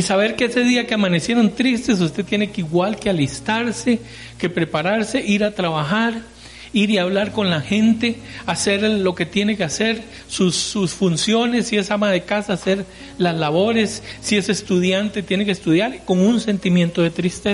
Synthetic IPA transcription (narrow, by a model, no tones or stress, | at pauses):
isaβe̞ɾkeese̞ðiakeamane̞sje̞ɾo̞nt̪ɾist̪e̞s̬ust̪e̞t̪je̞ne̞keiɣwalkealist̪aɾse̞ | ke̞pɾe̞paɾaɾse̞ʔiɾat̪ɾaβaxaɾ | iɾiaβlaɾko̞nlaxẽ̞nt̪e̞ | ase̞ɾlo̞ke̞t̪je̞nekease̞ɾ | susːusfunsjo̞ne̞sːie̞samaðe̞kasase̞ɾ | lazlaβo̞ɾesːie̞sest̪uðjant̪e̞t̪je̞nekest̪uðjaɾko̞ŋunse̞nt̪imje̞nt̪o̞ðe̞t̪ɾist̪es